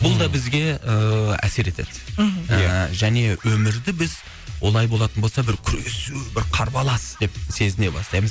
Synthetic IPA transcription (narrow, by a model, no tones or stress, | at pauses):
bʊlˠd̪ɑbɪzɡʲe̞əæ̰se̞ɾe̞t̪ʰe̞d̪ɪjʒæne̞wɵmɪɾd̪ɪbɪz | wʔo̞̰lˠɑjbo̞lˠɑt̪ənbosɑbɪɾkʲʰʏɾesubɪɾqʰɑɾbɑlˠɑsd̪̥e̞pse̞zɪnebɑ̰st̪ɑjməz